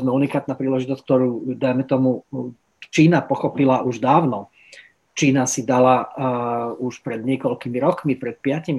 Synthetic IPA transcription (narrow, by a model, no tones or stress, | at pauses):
zmɛunikaːt̪naːpɾiːlɛʒit̪ɔskt̪ɔɾuːd̪ajmɛt̪ɔmu | t͡ʃiːnapɔxɔpilaʔuʒd̪aːʊnɔ | t͡ʃiːnasid̪ala | uʃpɾɛd̪ɲɪɛkɔlkimiɾɔkmipɾɛt̪̚pɪacimi